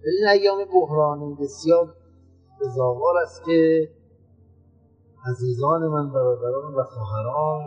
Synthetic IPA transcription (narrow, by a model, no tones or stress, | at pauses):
dæɾinæjːɒːmebohɾɒːnibesjɒːɾ | bezɒːvɒːɾæst̪ce | æziːzɒːnemænbæɾɒːd̪æɾɒːnvæxɔːɦæɾɒːn